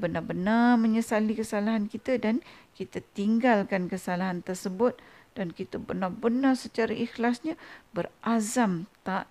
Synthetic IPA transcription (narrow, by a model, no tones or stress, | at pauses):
bənabənaməɲəsalikəsalaɦankit̪ədankit̪at̪iŋɡalkankəsalaɦant̪ərsəbʊt̪̚ | d̥ankit̪əbərnabənarsət͡ʃaɾaʔixlasɲabərʔazamt̪aʔ